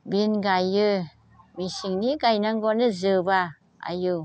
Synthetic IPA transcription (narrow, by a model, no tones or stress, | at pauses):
binɡajɯ | misiŋniɡajnaŋɡɔnɯzɯba | a̰ju